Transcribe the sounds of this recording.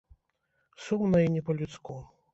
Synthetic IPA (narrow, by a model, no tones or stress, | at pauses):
sumnɐinʲɛpɔlʲut̪sku